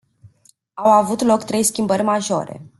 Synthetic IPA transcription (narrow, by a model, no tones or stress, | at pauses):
awavut̪lo̞kt̪ɾe̞jskʲimbərʲmaʒo̞̰ɾe̞̰